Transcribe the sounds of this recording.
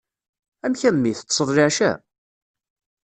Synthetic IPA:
æmçæmmːiθə̥t͡sːsˤəðˤlɪʕʃæ̰

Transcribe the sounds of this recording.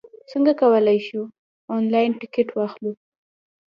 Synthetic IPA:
səŋɡakawəlajʃu | ɔnlɑjɪnʈɪkɪʈwɑxlu

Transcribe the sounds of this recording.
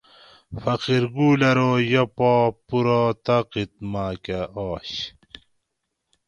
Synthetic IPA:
fɐqiɾɡuːlɐɾoːjɐpaːpuɾat̪ɐqit̪̚maːkaʔaːɕ

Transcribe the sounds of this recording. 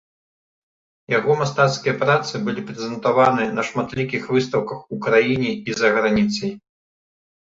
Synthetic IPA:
jaɣɔmast̪at̪skʲijɐpɾat̪sɨbɨlʲipɾɛzʲɛnt̪avanɨjɐnɐʂmat̪lʲikʲixvɨst̪ɐwkɐxukɾajinʲɛizɐɣɾanʲit̪sɐj

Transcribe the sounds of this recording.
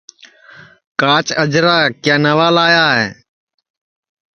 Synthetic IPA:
kaːt͡ʃəd͡ʒɾaːkjaːnəʋaːlaːjaːɦɛː

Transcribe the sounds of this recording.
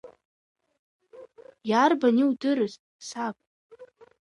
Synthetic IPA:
jarbanʲiwdɨɾɨztʼsapʼ

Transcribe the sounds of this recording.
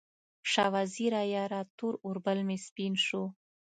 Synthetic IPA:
ʂɑwaziɾɑjɑɾɑt̪uɾʊɾbəlmespinʃu

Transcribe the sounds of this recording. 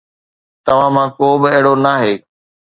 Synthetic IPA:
t̪ɐʋ̤ãmãːkoːbɪɛɦɪɽonaːɦeː

